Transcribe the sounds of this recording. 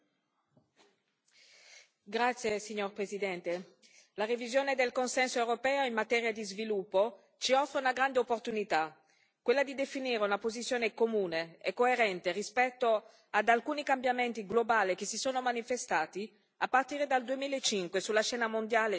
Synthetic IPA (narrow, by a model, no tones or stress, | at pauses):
ɡɾat̪sːjesiɲːorpɾezid̪ɛnt̪e | larivizjoːned̪elkonsɛnsoewɾopɛːoimmat̪ɛːɾjad̪izvilupːo | t͡ʃiɔfːɾeunaɡɾand̪eopːort̪unit̪a | kwelːad̪id̪efiniːɾeunapozit̪sːjoːnekomuːneɛkːoeɾɛnt̪erispɛt̪ːo | ad̪alkuːnikambjament̪iɡlobaːlik̟esisoːnomanifest̪aːt̪i | apːart̪iːɾed̪ald̪uemiːlaet͡ʃːiŋkwesulːaʃɛːnamond̪jaːle